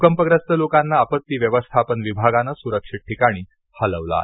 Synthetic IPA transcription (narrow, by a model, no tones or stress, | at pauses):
ukəmpəɡɾəst̪əlokanːaːpət̪ːiːʋjəʋəst̪ʰapənʋibʱaɡanasuɾəkʂiʈ̚ʈʰːikaɽ̃iː | hələʋla̰